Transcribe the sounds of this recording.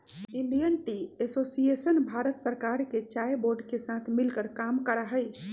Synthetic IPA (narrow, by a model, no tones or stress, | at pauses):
iɳɖijənʈiesosiesənbʱaɾət̪səɾkaɾket͡ʃajboɾɖkesat̪ʰmilkəɽkamkəɾaɦəj